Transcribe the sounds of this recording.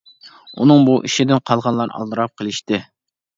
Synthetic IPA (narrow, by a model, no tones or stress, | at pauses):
unɨŋbuʔiʃid̪ɪnqʰɑlˠʁɑnlˠɑɾɑ̰lˠd̪ɨɾɑp̚qʰəlˠɪʃt̪ɪ